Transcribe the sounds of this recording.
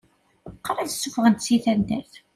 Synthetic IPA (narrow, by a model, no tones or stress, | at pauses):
qːɾæðsːʊfʁənt̪siθænd̪æθ